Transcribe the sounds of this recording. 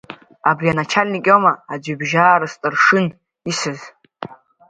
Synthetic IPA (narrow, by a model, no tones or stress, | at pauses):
abrianat͡ʃʰalʲnikʲʼomaːd͡ʒʷibʒaːɾɨstʼɨrʂɨn | isɨz